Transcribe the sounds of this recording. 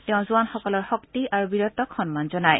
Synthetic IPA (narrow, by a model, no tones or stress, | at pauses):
tɛʊ̃zuanxɔkɔlɔɹxɔktiʔaɹubiɹɔt̪ɔkʰxɔnmanzɔnaj